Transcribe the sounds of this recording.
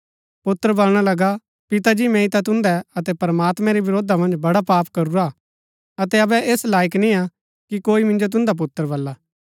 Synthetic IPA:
pʊt̪ːəɾəbɐlɽ̃alɐɡa | pɪt̪ad͡ʒimɛ̃ːit̪at̪ʊ̃nd̪ɛɐt̪ɛpɾəmaːt̪mɛ̃ɾibɪɾoːd̪ʱamɐ̃nd͡ʒbɐɽapaːpkɐɾuɾa | ɐt̪ɛɐbɛʔeːslaːɪknĩa | kikoːimɪ̃nd͡ʒot̪̬ʊ̃nd̪ap̬ʊt̪ːəɾbɐlːaː

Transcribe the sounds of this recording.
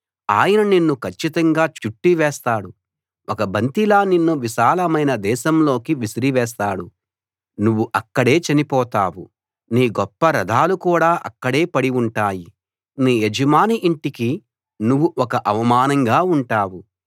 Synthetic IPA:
a̰ːjɐnɐninːukʰɐt͡ʃːit̪ɐŋɡaːt͡ʃuʈːiʋɛːst̪aːɽu | ɔkɐbʱɐnt̪ilaːninːuʋiʃaːlɐmɐjnɐd̪ɛːʃɐmlo̞ːkiʋisɾiʋɛːs̬t̪aːɽu | nuʋːuʔɐkːɐɽe̞ːt͡ʃɐnipɔːt̪aːwu | niːɡɔpːɐɾɐd̪ʱaːlukuːɽaːʔɐ̰kːɐɽe̞ːpɐɽiuɳʈaːji | niːed͡ʒɐmaːniʔiɳʈiki | nuʋːuʔɔkɐʔɐʋɐmaːnɐŋɡaːuɳʈaːwu

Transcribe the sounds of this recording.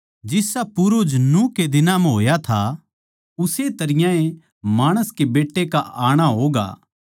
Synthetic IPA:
d͡ʒɪsapʊɾod͡ʒnũked̪ɪnamɛ̃ɦoːjat̪ʰa | ʊset̪ɐɾɪjãẽ | maːɽ̃əskebeːʈːekaʔaːɽ̃aɦoːɡa̰ː

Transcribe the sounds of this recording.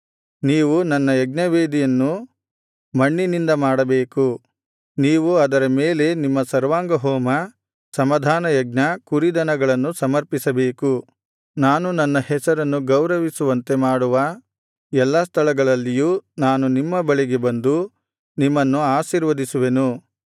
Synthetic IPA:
niːʋunɐnːɐjɐɡ̚nɐʋeːd̪ijɐnːu | mɐɳːinind̪ɐmaːɽɐbeːku | niːʋuɐd̪ɐɾɐme̞ːle̞nimːɐsɐɾʋaːŋɡɐɦɔːmɐ | sɐmɐd̪ʱaːnɐjɐɡ̚nɐkuɾid̪ɐnɐɡɐɭɐnːusɐmɐɾpisɐbe̞ːku | naːnunɐnːɐhɛsɐɾɐnːuɡɐwɾɐʋisuʋɐnt̪e̞maːɽuʋɐ | ɛlːɐs̬t̪ʰɐɭɐɡɐɭɐlːijuːnaːnunimːɐbɐɭiɡe̞bɐnd̪u | nimːɐnːuaːʃiːɾʋɐd̪isuʋe̞nu

